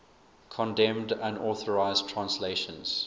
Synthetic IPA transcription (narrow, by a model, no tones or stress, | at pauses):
kʰɔ̃ndɛ̃mdə̃nɔːˑθəɹaɪztʰɹ̥ãnsleɪʃə̃nz̥